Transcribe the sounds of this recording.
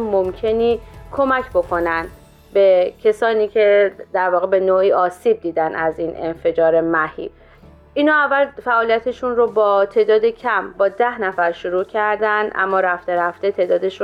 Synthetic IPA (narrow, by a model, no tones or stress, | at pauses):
momcʰe̞niːkʰo̞mæcʰbo̞kʰo̞nænd̪ | be̞cʰesɒːniːcʰe̞d̪̥æɾvɒːɣe̞be̞noːiːɒːsiːb̚d̪iːd̪ænæzinʔe̞̰nfe̞d͡ʒɒːɾe̞mæhḭː | iːnhɒːævːælfæʔɒːlijæt̪ʰe̞ʃunɾobɒːt̪ʰe̞ːd̪ɒːd̪ecʰæmbɒːd̪æhnæfæɾʃoɾuːcʰæɾd̪ænd̪ʔæ̰mːɒːɾæft̪eɾæft̪e̞t̪ʰeːd̪ɒːd̪e̞ʃu